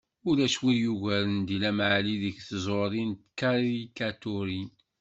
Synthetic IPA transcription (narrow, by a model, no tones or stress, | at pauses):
ʊɾæʃwiɾjuʝæɾənd̪ilæmʕliðəçθəzˤoɾˤint̪kaɾikat̪uɾi